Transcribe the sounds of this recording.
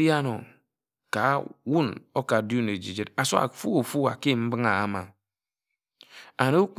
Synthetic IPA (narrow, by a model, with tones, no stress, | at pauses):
ja˦no̰˨ | ka˨˦wu˦no˦ka˨du˦ne˨d͡ʒi˨d͡ʒe˦da˨so˦a̰˨fu˦o˨fu˦a̰˨ke˦˨m̩˦bɨ˦ŋa˨a˦ma˨ | a˨no˦u˦k͡p